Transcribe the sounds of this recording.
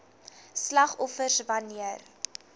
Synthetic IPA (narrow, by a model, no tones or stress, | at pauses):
slɐχɔfərsvɐniər